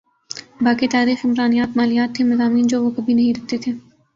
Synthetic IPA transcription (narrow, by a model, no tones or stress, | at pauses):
baːkit̪aːɾiːxɪmɾaːnijaːt̪maːlijaːt̪ʰːemɐzaːmiːnd͡ʒoːʋokɐbʱinɐɦĩɾɐk̚t̪et̪ʰeː